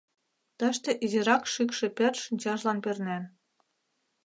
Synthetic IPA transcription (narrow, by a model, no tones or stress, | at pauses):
t̪ə̆ʃt̪ĕʔiziɾɑkʃykʃĕpĕrʃinʲt͡ɕɑʒlɑnpernæn